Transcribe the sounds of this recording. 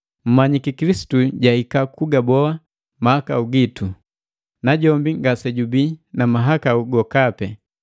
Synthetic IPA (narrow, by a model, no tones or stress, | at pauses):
m̩maɲikikilisi̥tuɟaikakuɡabɔa | mahakauɡitu | naɟɔmbiŋɡasɛɟubinamaɦakauɡɔkapɛ